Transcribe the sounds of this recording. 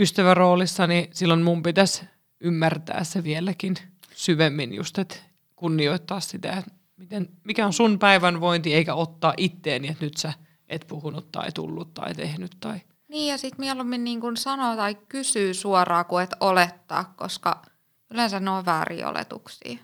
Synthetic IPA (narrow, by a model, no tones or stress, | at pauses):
yst̪æʋæroːlisːɑnisilːonmumpit̪æs | ymːært̪æ̰ːsseʋielækin | syʋemːinjṵst̪et̪ | kunːioit̪ːɑːssit̪æ̰et̪ | mit̪enmikæonsunpæiʋænʋoint̪ieikæot̪ːɑːʔit̪ːeːniet̪nyt̪sæ | ʔet̪puhunut̪t̪ɑ̰it̪ṵlːut̪t̪ɑ̰it̪ehnyt̪t̪ɑi | niːjjɑsit̪mielumːinniːŋkunsɑnoːt̪ɑikkysyːsuɔrɑːkuet̪olet̪ːɑ̰ːkkoskɑ̰ | ylensænnoːʋʋæːrḭːo̰lḛt̪ṵksḭː